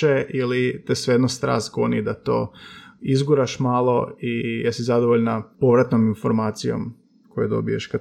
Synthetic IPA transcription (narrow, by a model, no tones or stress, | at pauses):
eʔilit̪esʋejed̪nost̪ɾa̰ːst̪ɡonid̪at̪o̞̰ːizɡuɾaʃmaːlˠoijesizad̪oʋoʎnapo̞ʋɾat̪nominfo̞ɾmaːt̪sijo̞̰m | kojed̪o̞̰bijeʃka